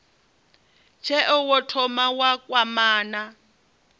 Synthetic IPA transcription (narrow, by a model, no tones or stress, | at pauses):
t͡ʃʰɛʔʊwɔtʰɔmawakʼwamaːna